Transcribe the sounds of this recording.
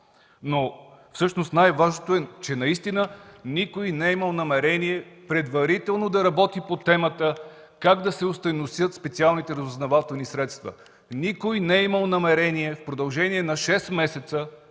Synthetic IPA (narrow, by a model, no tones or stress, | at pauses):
nofsɤʃnost̪najvaʒnot̪oɛt͡ʃɛnɐist̪inənikojnɛiməlˠnɐmɛɾɛniɛpɾɛd̪vɐɾit̪ɛlˠnod̪ɐɾɐbɔt̪ipot̪ɛmət̪ə | kaɡd̪ɐsɛʊst̪ɐnosjət̪spɛt̪sialˠnit̪ɛɾɐzʊznɐvat̪ɛlˠnisɾɛt̪st̪və̰ | nikojnɛiməlˠnɐmɛɾɛniɛfpɾod̪ɐlˠʒɛniɛnɐʃɛsmɛsɛt̪sə